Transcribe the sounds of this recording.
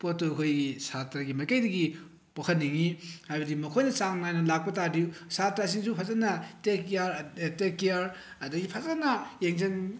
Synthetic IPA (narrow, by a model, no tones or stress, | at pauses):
potokʰojɡisatɾaɡimajkajdɐɡi | pɐkʰɐtnːiŋihajbɐdimɐkʰojnɐt͡ʃaŋnajnɐlak̚pɐtadiusatɾasiŋsupʰazanːɐtekjaɾtekijaɾ | ɐduɡipʰazanːɐjeŋzɐn